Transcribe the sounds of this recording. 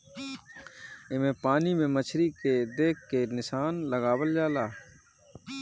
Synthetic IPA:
ɪmẽːpaːniːmẽːmət͡ʃʰɾiːkeːd̪eːkʰːeːnɪsaːnləɡaːʋəld͡ʒaːlaː

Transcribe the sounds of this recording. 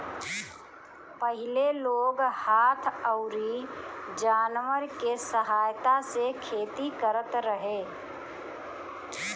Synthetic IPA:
pəɦɪleloːɡhaːt̪ʰəʊɾid͡ʒaːnʋəɾkesəɦaːjt̪asekʰeːt̪ikəɾət̪ɾəɦeː

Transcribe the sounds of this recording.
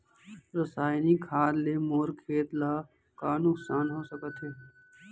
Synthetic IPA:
ɾəsaːjnikʰaːd̪lemoːɾkʰeːt̪laː | kaːnʊksaːnɦoːsəkət̪ɦɛː

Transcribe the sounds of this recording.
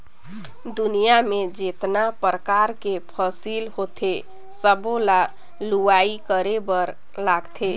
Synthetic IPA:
d̪unijamed͡ʒet̪napɾəkaɾkepʰəsilhot̪ʰe | səbola | luaikəɾebəɾ | laɡt̪ʰe

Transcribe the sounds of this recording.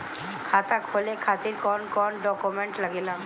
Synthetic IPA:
kʰat̪akʰolekʰat̪iɾkɔnkɔnɖɔkumeɳʈlaɡelam

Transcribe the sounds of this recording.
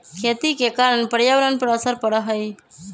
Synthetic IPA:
kʰeːt̪ikekaːɾəɳpəɾjaʋəɾənpəɾəsəɾpəɽaɦəj

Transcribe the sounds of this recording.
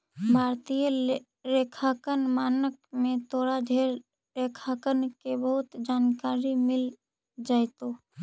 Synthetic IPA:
bʱaːɾt̪ijə | ɾeːkʰaːkənmaːnək̚mẽt̪ʰoːɾad͡ʒʱeːɾ | ɾeːkʰakənkebəɦʊt̪d͡ʒaːnkaːɾimɪl | d͡ʒaːjt̪o

